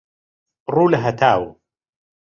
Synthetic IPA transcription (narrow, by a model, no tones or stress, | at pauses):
ruːlɐɦɐt̪ʰaːwṵ